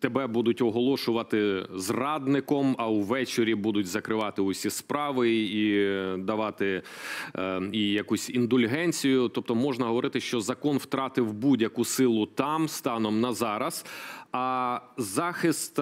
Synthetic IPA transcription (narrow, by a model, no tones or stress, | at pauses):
t̪ebɛbud̪ʊtʲɔɦɔlˠɔʃʊʋɐt̪ɪzrɑd̪nɪkɔmɐwʋɛt͡ʃeɾʲibud̪ʊtʲzɐkɾɪʋɑt̪ɪʊsʲispɾɑʋɪid̪ɐʋɑt̪ɪ | ijɐkusʲind̪ʊlʲɦɛnʲt͡sʲijʊt̪ɔp̚t̪ɔmɔʒnɐɦɔʋɔɾɪt̪ɪʃt͡ʃɔzɐkɔnwt̪ɾɑt̪ɪwbudʲjɐkusɪlˠʊt̪ɑmst̪ɑnɔmnɐzɑɾɐsɐzɑxɪst̪